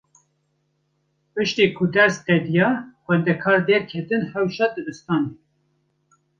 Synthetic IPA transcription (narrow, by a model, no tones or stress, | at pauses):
pɨʃt̪eːkʰʊd̪ɛɾst̪ɛd̪ijɑxʷɛnd̪ɛkʰɑːɾd̪eːɾkʰet̪ɨnhɛwʃɑd̪ɨd̪ɨst̪ɑːne